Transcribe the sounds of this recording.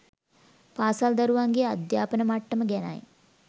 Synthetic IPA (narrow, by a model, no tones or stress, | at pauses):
paːsald̪aɾuʋaŋɡea̰d̪jaːpənəmaʈːəməɡɛna̰j